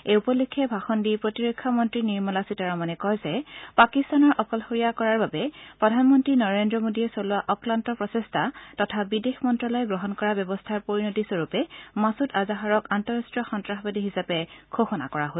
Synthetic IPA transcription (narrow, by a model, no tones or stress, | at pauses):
eupɔlikʰːɛbʱaxɔndipɹotiɹekʰːamɔntɹiniɹmɔlasitaɹamanɛkɔjzɛpakistanɔɹʔɔkɔlxoɹijakɔɹaɹbabɛpɹɔdʱanmɔntɹinɔɹendɹɔmodiɛsolʊaʔɔklantɔpɹɔsestʰatɔtʰabidexmɔntɹɔlɔjɛɡɹɔɦɔnkɔɹabjɔbɔstʰaɹpoɹinotisoɹupɛmasutazaɦaɹɔkantɔɹastɹɔxɔntɹaxbadiɦisapɛkʰoxɔna̰kɔɹaɦo